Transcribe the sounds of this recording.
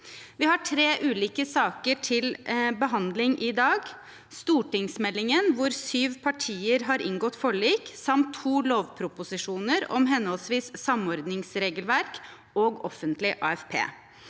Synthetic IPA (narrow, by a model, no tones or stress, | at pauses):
ʋɪhɑʈʰɾeːʔʉːliːkəsɑːkəʈʰɪlbəɦɑnd̪lɪŋʔiːd̪ɑːɡ | st̪uːʈɪŋsmɛlːɪŋənʋʊɾsyːʋpʰɑʈʰiːəɾɦɑɾʔɪ̰ŋɡɔt̪ːfɔɭiːksɑmt̪ʰːuːloːʋpʰɾʊpʊsɪʂuːnəɾɔ̰mɦɛnhɔlsʋiːssɑmɔɾd̪nɪŋsɾeːɡəlʋæɾk | oːɡɔfənt̪lɪʔɑ̰ːɛfpʰḛː